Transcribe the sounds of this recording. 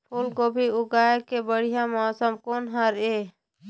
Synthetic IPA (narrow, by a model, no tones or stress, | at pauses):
pʰulkobʱiʊɡaːekebəɽ̤ijamɔsəmkoːnɦəɾeː